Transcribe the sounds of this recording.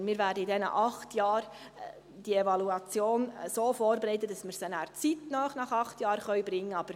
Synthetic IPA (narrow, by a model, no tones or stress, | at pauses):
mɪːɾʋæːɾdəidɛnə̰ʔɑχtjɑːɾ | d̥ievɑluɑt͡sjoːnsoːfoːɾbeɾɛɪt̪̬ətd̥ɑsməɾsənæːɾt͡sit̪nœːχnɑχɑχtjɑːɾχœʏɥbɾɪŋːəɑb̥əɾ